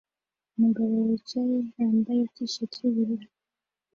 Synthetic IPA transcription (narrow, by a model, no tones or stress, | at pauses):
umuɡaβo̞wit͡ʃajehaːmbajekiʃatʰuβiɾiɾa